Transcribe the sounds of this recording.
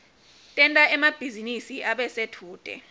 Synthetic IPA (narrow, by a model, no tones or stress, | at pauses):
tʼɛntʼaɛmab̥ʱizinisiʔaɓɛsetʰuːtʼɛ̰